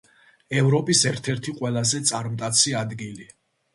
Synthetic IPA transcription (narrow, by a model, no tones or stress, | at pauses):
ɛvɾɔpʼisɛɾt̪ʰɛɾt̪ʰiqʼwɛlˠazɛt̪sʼaɾmt̪ʼat̪sʰiad̪ɡili